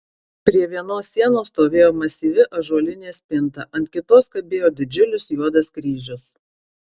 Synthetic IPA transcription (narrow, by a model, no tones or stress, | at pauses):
pʲɾʲiɛʋʲiɛnoːsːʲiɛnoːst̪oːʋʲeːjoːmɐsʲiːʋʲɪʔɐʒuɔlʲɪnʲeːsʲpʲɪnˑt̪ɐʔɐnʲt̪ʲkʲɪt̪oːskɐbʲeːjoːd̪ʲɪd͡ʒʲʊlʲʊsjuɔd̪ɐskɾʲiːʒʲʊs